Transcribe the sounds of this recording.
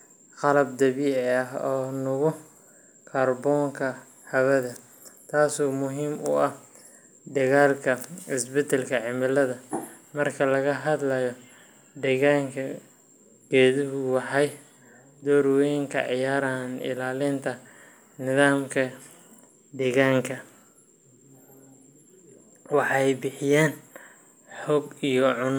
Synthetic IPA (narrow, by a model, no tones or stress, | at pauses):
qɑlɐb̚d̪ɐβiɐɦɔːnʊɣʊ | kʰɐrbɔːŋkʰɐ | hɐwɐðɐ | t̪ʰaːsɔːmʊɦiːmʊ̰ɐh | d̪ɐɣaːlkʰɐɪsbɛd̪ɛlkʰɐʕɪmɪlɐðɐ | mɐrkʰɐlɐɣɐɦɐd̪lɐjɔ | d̪ɛɣaːŋkʰɐ | ɡ̥ɛːðɪɦʊwɑħɑj | d̪ɔːɾwɛŋkʰɐ̰ʕɪjaːɾaːnɪ̰laːlɪnt̪ʰɐ | nɪðaːmkʰɐ | d̪ɛːɣaːŋkʰɐ | wɑħɑjbɪħɪjaːn | ħɔɡijɔʕʊn